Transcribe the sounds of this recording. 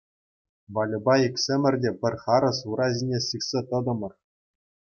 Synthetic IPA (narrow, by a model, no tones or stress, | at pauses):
ʋɑlʲɤ̆bɑikʲsʲĕmʲɘ̆rʲdʲepʲɘ̆rʲχɑɾɤ̆suɾɑzʲinʲesiχsʲet̪ɤ̆d̪ɤ̆mɤ̆r